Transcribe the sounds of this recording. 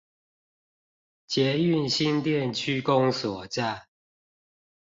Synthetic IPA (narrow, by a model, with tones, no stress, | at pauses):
t͡ɕjɛ˨˦y˥˨nɕi˦nt̪jɛ˥˨nt͡ɕʰy˦ko˦ŋswɔ˨˩t͡ɕa˥˨